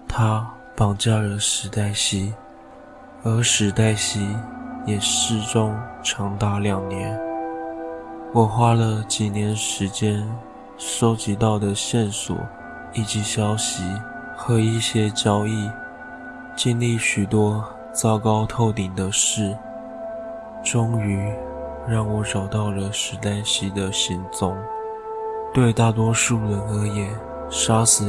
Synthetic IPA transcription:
t̪ʰa˥ | pɑ˨˩ŋt͡ɕja˥˩lə˩ʂɻ̩˧˥t̪a˥˩ɪɕi˥ | ə˞˧˥ʂɻ̩˧˥t̪a˥˩ɪɕi˥jɛ˨˩ʂɻ̩˥˩ʈ͡ʂʊ˥ŋʈ͡ʂʰɑ˧˥ŋt̪a˥˩ljɑ˨˩ŋnjɛ˧˥n | wɔ˨˩xwa˥lə˨t͡ɕi˨˩njɛ˧˥nʂɻ̩˧˥t͡ɕjɛ˥n | ʂo˥ʊt͡ɕi˧˥t̪ɑ˥˩ʊd̪ə˩ɕjɛ˥˩nswɔ̰˨˩˦ | i˨˩t͡ɕi˧˥ɕjɑ˥ʊɕi˧˥ | xɤ˧˥i˥˩ɕjɛ˥t͡ɕjɑ˥ʊi˥˩ | t͡ɕi˥˧nli˥˩ɕy˨˩t̪wɔ˥ | t͡sɑ˥ʊkɑ˥ʊt̪ʰo˥˩ʊt̪i˨˩ŋd̪ə˦ʂɻ̩˥˩ | ʈ͡ʂʊ˥ŋy˧˥ | ɻɑ˥˩ŋwɔ˧˥ʈ͡ʂɑ˨˩ʊt̪ɑ˥˩ʊlə˩ʂɻ̩˧˥t̪a˥nɕi˧˥d̪ə˧ɕi˧˥ŋt͡sʊ˧˥ŋ | t̪we˥˧ɪt̪a˥˩t̪̬wɔ˥ʂu˥˩ɻə˧˥nə˧˥jɛ˨˩˦n | ʂa˥sɹ̩˨˩

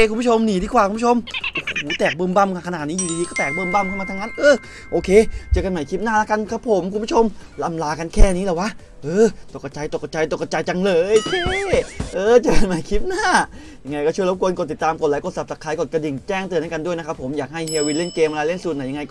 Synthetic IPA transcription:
e˧ku˧˦pu˥t͡ɕʰo˧mniː˨˩˦diː˧kʰwaː˨˩ku˧˦u˥˩o˧mʔo˧˩huː˨˩˦t̪ɛː˨˩k̚bɤː˧mba˥˩mka˧kʰnaː˨˩t̪̚niː˦˥jiː˨˩i˧i˧kɔː˥˩t̪ɛː˨˩k̚bɤː˧˨mba˥˩mkʰa˥˩maː˧a˧˥na˦˥nʔɤː˧˩ | ʔoː˧kʰeː˧t͡ɕaː˨˩ka˧nma˨˩jkʰi˦˥p̚naː˥˩la˦˥ka˧nkʰa˦˥pʰːo˨˦mkʰu˧nbʰu˥˩t͡ɕʰo˧mla˧mlaː˧ka˧nkʰɛː˥˩˧ni˦˥ɛː˨˧˩waː˧˥˩ | ʔɤː˧˩t̪o˨˩ka˧t͡ɕa˧jt̪o˨˩ka˧˩t͡ɕa˧jt̪o˨˩ka˧t͡ɕa˧jt͡ɕa˧ŋlɤː˧jkʰi˥˧˥ʔɤː˧t͡ɕa˨˧˩ka˧nma˨˩˦jkʰi˦˥p̚naː˥˩ | ja˧ŋːa˧jkɔː˥˩u˥˩əjɾo˦˥p̚kʰu˧ənko˨˩t̪ːi˨˩t̪ːaː˧mko˨˩t̚laː˨˦jko˨˧t̪̚sa˨˩p̚sa˨˩kʰːaː˨˦jkɔ˨˩t̪̚ka˧di˨˩ŋt͡ɕɛː˥˩ŋt̪ɯ˧nːa˦˥˩ka˧ndu˥˩əjna˦˥kʰpʰːo˩˦mjaː˨˩k̚ɦa˥˩jhiː˧wi˧nle˥˩nkeː˧mʔa˧la˧le˥˩nsu˨˩t̪na˧˨˩ja˧ŋa˧jkː

